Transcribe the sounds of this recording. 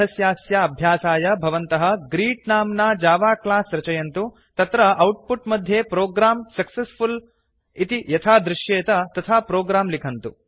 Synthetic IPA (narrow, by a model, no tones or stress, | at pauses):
ɐsjaːsjaɐbʱjaːsaːjɐbʱɐʋɐnt̪ɐɦɐɡɾiːʈnaːmnaːd͡ʒaːʋaːklaːsɾɐt͡ʃɐjɐnt̪u | t̪ɐt̪ɾɐɐwʈ̚puʈmɐd̪ʱjeːpɾoːɡɾaːmsɐksespʰul | it̪ijɐt̪ʰaːd̪ɾuʃjeːt̪ɐt̪ɐt̪ʰaːpɾoːɡɾaːmlikʰɐnt̪u